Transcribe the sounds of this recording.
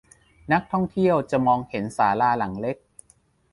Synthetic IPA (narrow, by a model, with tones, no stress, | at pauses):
na˦˥k̚t̪ʰɔ˥˩ŋt̪ʰi˥˩əwt͡ɕa˨˩mɔː˧ŋhe˩˦nsaː˩˦laː˧la˩˦ŋle˦˥k̚